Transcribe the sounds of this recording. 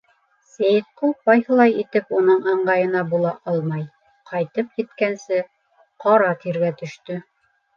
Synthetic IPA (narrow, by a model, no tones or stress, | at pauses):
sæjt̪̚qubɑjhɤ̆lˠɑjit̪ɘpunɤɴɑɴɢɑjɤ̆nɑbulˠɑʔɑlˠmɑj | qʰɑjt̪ɤpjɘ̆t̪kænsɘ | qʰɑɾɑt̪iɾɡæt̪ɵ̆ʃt̪ɵ